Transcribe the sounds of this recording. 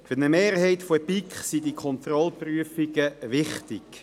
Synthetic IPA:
fyʁnəmeːɾhɛɪtfopikχsidikʰχɔnt̪rɔlpryəfɪɡəʋɪχtɪɡ̥

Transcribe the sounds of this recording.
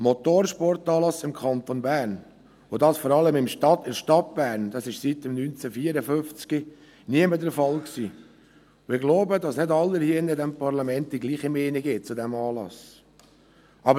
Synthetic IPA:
mɔt̪oːɾʃpɔrtɑːlɑsɪmkʰɑnt̪onbæːɾn | ʊdɑsfɔɾɑləmɪmʃɑtɪɾʃtɑt̚b̥æːɾnd̥ɑsɪʃsitəmnynt͡sæfiːəɾəføft͡ski | niəmədəɾfɑlksiː | ʊɪɡloʊbədɑsnɪdɑlːəhiənədɛmpʰɑɾlɑmɛnt̚d̥iɡliːχimɛːnɪɡɪt̚t͡sʊdɛmɑːlɑ̰s | ʔɑbə

